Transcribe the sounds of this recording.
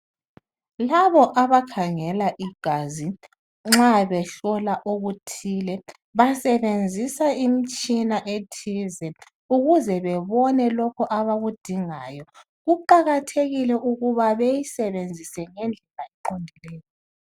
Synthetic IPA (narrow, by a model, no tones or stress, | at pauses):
laβɔʔaβakʰaŋɛlaʔiɡ̥ʱazi | ŋ͡ǁaβɛɬɔlaʔoɣutʰiːlɛ | βasɛβend͡zʱisaimit͡ʃʼinaʔetʰizɛ | uɣuzɛβɛβɔnɛlɔkʰɔʔaβaɣud̥ʱiŋaːjɔ | ɣuǃaɣatʰeɣilɛʔuɣuβaβejisɛβend͡zʱisɛŋɛnd͡ɮʱɛlajɛǃondʱilɛːjɔ